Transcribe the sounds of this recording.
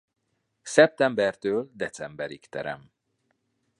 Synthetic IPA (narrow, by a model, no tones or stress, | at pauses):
sɛp̚t̪ɛmbɛrt̪øːld̪ɛt̪sɛmbɛɾikt̪ɛ̰ɾɛ̰m